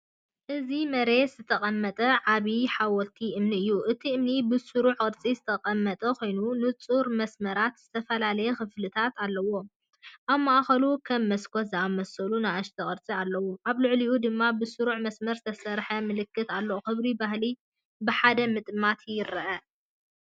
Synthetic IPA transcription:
ʔɨzimɐɾe̞t̪z̥ɨt̪ʰɐqʼɐmːɐt̪ʼɐʕaβiħawɔlt̪ʰiʔɨmniɨjːuʔɨt̪ʰiɨmnibɨsuɾuʕkʼɨɾt͡sʼizɨt̪ʰɐqʼɐmːɐt̪ʼɐkʰo̞jnunɨt͡sʼuɾmɐsmɐɾat̪z̥ɨt̪ʰɐfɐlalɐjɛkɨflɨt̪ʰat̪alːɐwo̞ | ʔaβmaʔaxɐlukʰɐmːɐskʰot̪zɨamɐsɐlunaaʃt̪ʰɐkʼɨɾt͡sʼialːɐwoʔaβlɨʕliʔud̪ɨmːabɨsuɾuʕmɐsmɐɾzɨt̪ʰɐsɐɾħɐmɨlɨkːɨt̪alːooxɨβɾibahli | bɨħad̪ɐmɨt̪ʼmat̪ʰjɪɾɐʔɐ

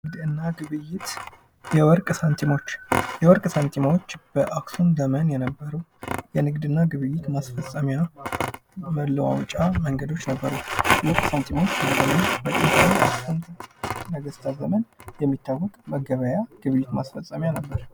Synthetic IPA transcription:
ɨɡd̪ɨnːaɡɨβɨjːɪt̪ | jɛwɔɾkʼsant̪ʰimo̞t͡ʃːjɛwɔɾkʼsant̪ʰimawo̞t͡ʃːb̥əʔaksund̪əmənjɛnəbːəɾəjɛnɨɡd̪ɨnːaɡɨβɨjːɪt̪masfəsʼəmja | məlːəwa̰wt͡ʃʼaməŋɡəd̪o̞t͡ʃːnəbːəɾulɔkʼsant̪ʰimawot͡ʃːbləd̪əmənbət̪ʼent̪ʰawa̰ksənt̪ʰimnəɡəst̪ʰazəmənjɛmːit̪ʰːawːɔkʼməɡəβəjaɡ̥ɨβɨjːɪt̪masfəsʼːəmjanəbːəɾ

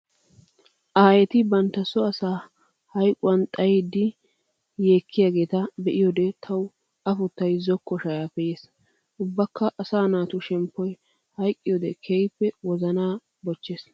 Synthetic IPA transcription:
ʔɐhɐjɛt̪ɪbɐnt̪ːɐsɔɐsaː | hɐjkʼʊwɐnt̪ʼɐjed̪ːɪ | jeːkʰːɪjaːɡe̞ːt̪ɐbɛʔɪjɔd̪ɛt̪ʰɐw | ɐfʊt̪ːɐjzɔkːɔʃɐjaːfɛjeːs | ʔʊbːɐkʰːɐʔɐsaːnaːt̪ʊʃɛmpːɔj | hɐjkʼːɪjɔd̪ɛkʰejpːɛwɔzɐnaː | bɔt͡ʃːeːs

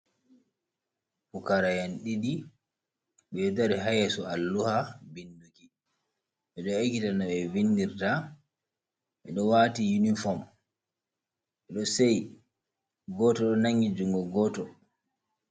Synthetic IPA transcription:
fukaɾajanɗidi | ɓɛdaɾiɦajɛsɔalːuhabinduki | ɓɛɗɔekitanaɓɛvindiɾta | ɓɛɗɔwatijunifɔm | ɓɛɗɔsɛj | ɡɔtɔɗɔnaŋɡid͡ʒuŋɡɔɡɔtɔ

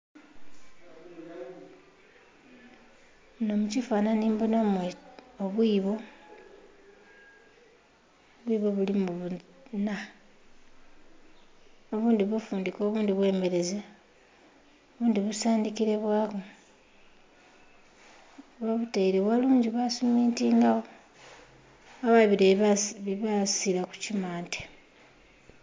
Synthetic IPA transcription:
no̞mucifaːnaniːmbonameoβwiːβo̞ | βwiːβo̞βulimuβu | na | o̞βuːndiβufuːndiko̞ːβuːndiβwe̞ːme̞ɾe̞ze | oβuːndiβusaːndikiɾe̞βwaːβo | βaβutaiɾeβwaluːɲɟiβasumiːntiːŋɡaɣo | aβaβiɾeβiβasiɾaku̥cimaːnte

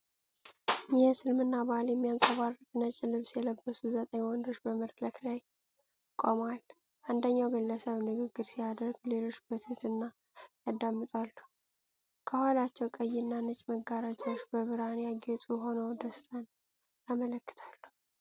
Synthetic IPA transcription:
jɛhsɨlmɨnːabaljɛmːijansʼəβarɨkʼnət͡ʃʼːɪlɨβsjɛləbːəsuzət̪ʼəɲwɔnd̪o̞t͡ʃːbəməɾləkʰlaj | kʼomal | ʔand̪əɲːawɡɨlːəsəβnɨɡɨɡːɨɾsijad̪əɾɡle̞lo̞t͡ʃːbət̪ʰət̪ɨnːa | jad̪amːɨt̪ʼalːu̥ | kʰəhalat͡ʃːɛwkʼəjːɪnːanɨt͡ʃʼməɡːaɾat͡ʃʼɛwt͡ʃːbəβɨɾanjaɡɛt̪ʼuɦo̞nəwd̪əst̪ʰən | jamələkːɨ̥t̪ʰalːu̥

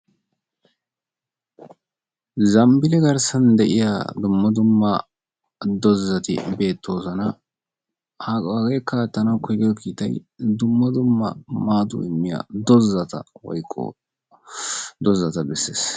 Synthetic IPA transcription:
zɐmbɪlɛɡɐɾsɐnd̪ɛʔɪja̰ːd̪ʊmːɐd̪ʊmːɐ | d̪ɔzːɐt̪ɪ̰be̞ːt̪ʰːo̞ːzɐnɐ | hɐɡeːkːaːt̪ːɐnɐwkɔjɡɪd̪ɔkiːt̪ɐj | d̪ʊmːɐd̪ʊmːɐ̰maːd̪ʊ̰ɪmːɪja̰ːd̪ɔzːɐt̪ɐ̰wɔ̰jkʼːɔ̰ | d̪ɔzɐt̪ɐbɛsːḛːs

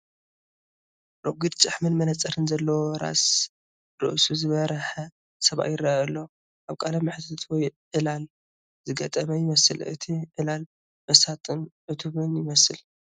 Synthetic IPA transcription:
ɾoɡɨd̪t͡ʃʼɨħmɨnmɐnɐt͡sʼɐɾɨnzɐlːɐwoɾa̰s | ɾɨ̰ʔsuzɨβɐɾɐħɐ | sɐβa̰ʔjɪrːaaɐlːo | ʔaβkʼalamɨħt̪ʰat̪ʰwɔjʕɨlal | zɨɡɐt̪ʼɐmɐjɪmɐsɨlʔɨ̰t̪ʰiʕɨlal | bɐsat̪ʼɨnʕɨt̪ʰuβɨnjɪmɐsɨl

